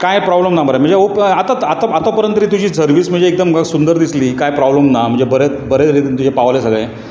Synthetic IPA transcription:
kajpɾɔbləmnabʱəɾam̤əɳd͡zeopat̪aat̪aat̪ɔpəɾənt̪əɾiːt̪̬ud͡ʑiːsəɾʋiːsm̤əɳd͡zeːk̚d̪əmsund̪əɾd̪isliːkajpɾɔbləmnam̤ə̃ɳd͡zebəɾe | bəɾeɾit̪int̪ud͡ʑʱepaʋlesəɡɭẽ

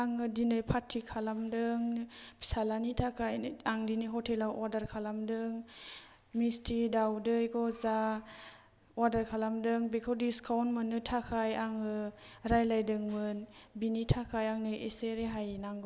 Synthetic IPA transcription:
aŋɯdinɯjpʰatʰːikʰalamdɯŋpʰi̥salanitʰakʰajaŋdinɯɦɔtʰelawadaɾkʰalamdɯŋ | mistʰidawdɯjɡɔza | wadaɾkʰalamdɯŋbekʰɔdiskʰawnmɯnɯtʰakʰajaŋɯɾajlajdɯŋmɯnbinitʰakʰajaŋnɯjeseɾeɦajnaŋɡɔ

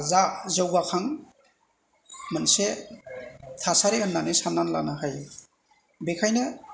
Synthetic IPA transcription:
zazɔwbakʰaŋ | mənse | tʰasaɾeɯnːanisanːanla̰naɦaj | bekʰajnɯ

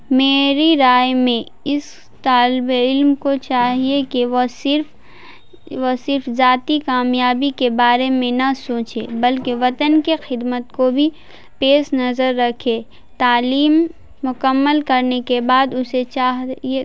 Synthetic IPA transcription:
meːɾiɾaːjmẽ | ɪs | t̪aːlɪbeɪlmkot͡ʃaːɦiekiʋosɪɾf | ʋosɪɾfzaːt̪ikaːmjaːbikebaːɾemẽnɐsoːt͡ʃebɐlkeʋɐt̪ənkixɪd̪mət̪kobʱi | peːʃnɐzəɾːɐkʰeː | t̪aːliːmː | ʊkəmːəlkɐɾnekebaːd̪ʊset͡ʃaːɦe

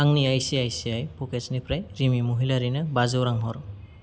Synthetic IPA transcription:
aŋniajsiajsiajpɔket͡ʃnipʰɾajɾimimuɦilaɾinɯbazɯwɾaŋɦɔɾ

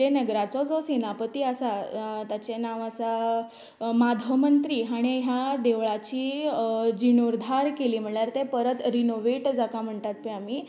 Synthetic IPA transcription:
enəɡɾat͡sɔd͡zosenapət̪iːəsat̪jat͡ɕenaʋəsa | mad̪ʱəmənt̪ɾiːɦaɽ̃iɦjad̪eʋɭat͡ɕiː | d͡ʑinoɾd̪ʱaɾkeliːm̤əɳɭaɾt̪epəɾət̪ɾinoʋeʈd͡zakam̤əɳt̪at̪̚peamiː

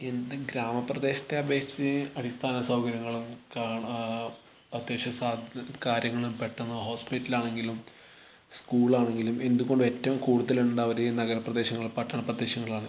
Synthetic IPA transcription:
e̞nd̪ɨɡɾaːmɐprɐd̪e̞ːɕɐ̥t̪ːeɐbʱe̞ːt͡ɕːɨɐɽist̪ʰaːnɐsɐwɡɐɾjɐŋːɐɭumkaːɳ | ɐt̪jeːt͡ɕɐsaːd̪ʱkaːɾjɐŋːɐɭumpe̞ʈːunːɐɦo̞ːspitːilaːɳe̞ŋɡilum | skuːɭaːɳe̞ŋɡilume̞nd̪uɣo̞ɳɖue̞tːɐʋɐmkuːɽuðɐlunːuɳɖaːʋɐɾenɐɣɐɾɐprɐd̪eːɕɐŋːɐɭpɐʈːɐɳɐprɐd̪ːe̞ːɕɐŋːɐɭaːɳɨ

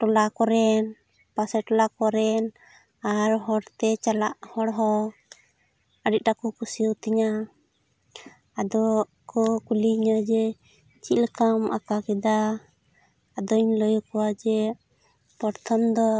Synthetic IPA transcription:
ʈɔlakɔɾɛn | pasɛʈɔlakɔɾɛn | aɾɦɔɽt̪ɛt͡ʃalaʔhɔɽɦɔ | əɖic̪̚ʈakɔkʰusiwt̪iɲa | ad̪ɔ | kɔkuliɲəd͡ʒɛ | t͡ʃiləkamʔa̰kakɛd̪a | ad̪ɔɲləjɔkɔwad͡ʒɛ | pɔɾt̪ʰɔmd̪ɔ

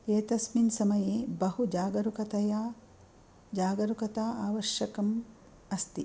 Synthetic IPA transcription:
eːt̪ɐsminsɐmɐjeːbɐɦud͡ʒaːɡɐɾukɐt̪ɐja | d͡ʒaːɡɐɾukɐt̪aːaːʋɐʃjɐkɐm | ɐst̪i

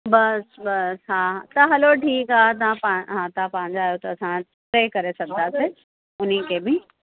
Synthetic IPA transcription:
bɐsbɐsɦat̪ɐɦɐloʈʰiːkaːt̪ãpɐ̃ɦãt̪ãpɐ̃ɦɪ̃ɲd͡ʑaːjot̪ɐːsãʈɾeːkɐɾesɐɡd̪ase | ʊnikebɪ

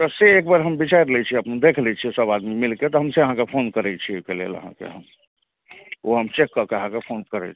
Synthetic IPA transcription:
əseekbaɾɦəmbit͡ʃajɾlɛt͡ʃʰiəpnd̪ekʰlɛt͡ʃʰisəbad̪mimilket̪ɔɦəmseəɦãkepʰonkəɾɛt͡ʃʰiojkelḛlə̰ɦã̰kḛɦə̰m | oɦəmt͡ʃekːəɾkeəɦãkepʰonkəɾɛ̰t͡ʃʰi̥

